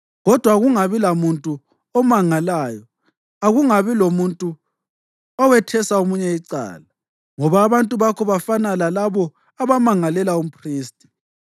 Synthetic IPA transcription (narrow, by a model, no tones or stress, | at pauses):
ɣɔd̥ʱwaɣuŋaβilamuntʼu | ɔmaŋalaːjɔ | aɣuŋaβilomuntʼu | ɔwɛtʰɛsaumuɲɛiǀa̰ːla | ŋɔβaːβantʼuβakʰɔβafanalalaβɔ | aβamaŋalɛlaum̩pʰriːstʼi̥